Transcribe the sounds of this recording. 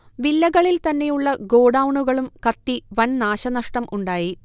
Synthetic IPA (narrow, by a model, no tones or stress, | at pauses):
ʋilːɐɣɐɭilt̪ɐnːe̞juɭːɐɡo̞ːɖɐwɳuɣɐɭumkɐt̪ːiʋɐnnaːɕɐnɐʂʈɐmʔuɳɖaːji